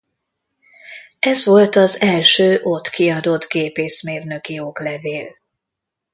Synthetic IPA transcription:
ɛzʋo̞lt̪ɒzɛlʃøːʔot̪kiɒd̪o̞d̪ɡeːpeːsmeːrnø̞kioːklɛveːl

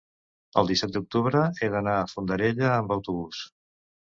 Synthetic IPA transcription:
ə̰lˠd̪isɛt̪̚d̪uk̚t̪uβɾəeðənaːfund̪əɾeʎəːmbəwt̪uβus

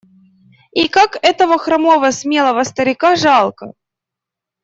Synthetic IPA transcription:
ikakɛt̪əvəxɾɐmovəsmʲelˠəvəst̪əɾʲɪkaʐɑlˠkə

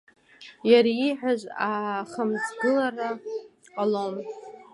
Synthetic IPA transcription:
jaɾiiħʷᶣaʒʷaχəmzɡɨlara | qʼalom

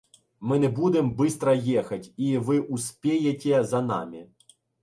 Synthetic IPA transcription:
mɪnɛbud̪ɪmbɪst̪ɾɐjɛxɐtʲiʋɪʔusʲpʲejetʲezɐnɑ̰mʲi

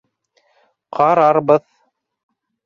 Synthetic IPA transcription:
qʰɑɾɑɾbɤð

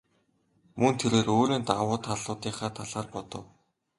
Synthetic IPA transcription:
mɵnt̪ʰeɾeːroːɾiːnt̪awʊːt̪ʰaɮʊːt̪iːχaːt̪ʰaɮaːrpɔt̪ɞ̆w

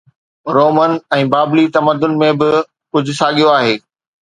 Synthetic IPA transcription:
ɾoːmənɛ̃ːbaːblit̪ɐməd̪ʊnmẽbɪ | kʊd͡ʑʱʊ̆saːɠijoaːɦeː

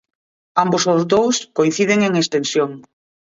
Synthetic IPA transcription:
ambosozd̪owskoin̟θiðeŋeŋest̪ensjoŋ

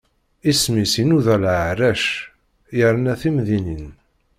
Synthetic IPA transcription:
ismisinuðælʕəɾæʃ | jəɾnæθimðinin

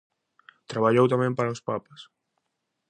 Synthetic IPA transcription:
t̪ɾaβaʎowt̪amɛ̃mpaɾaospapəs

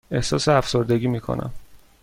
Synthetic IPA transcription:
e̞hsɒːseæfso̞ɾd̪e̞ɡʲiːmiːkʰo̰nʔæ̰m

